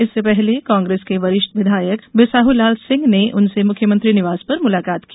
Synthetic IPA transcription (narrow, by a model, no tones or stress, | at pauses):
ɪsːepɛɦlekãːŋɡɾeːskeʋɐɾɪʃt̪ʋɪd̪ʱaːjəkʋɪsaːɦulaːlsɪ̃ŋɡneʔʊnsemʊkʰjəmə̃t̪ɾinɪʋaːzpɐɾmʊlaːkaːt̪ki̥